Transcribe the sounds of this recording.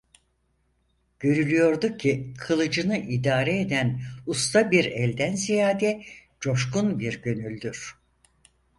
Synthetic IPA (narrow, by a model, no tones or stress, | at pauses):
ɟ̥ø̞ɾylʲyjo̞ɾd̪ucʰikʰɯlˠɯd͡ʒɯnɯʔid̪aːɾɛed̪ænust̪ʰabiɾɛlʲd̪ænzijaːd̪ɛ | d͡ʒo̞ʃkunbiɾɟø̞nylʲd̪yɾ̥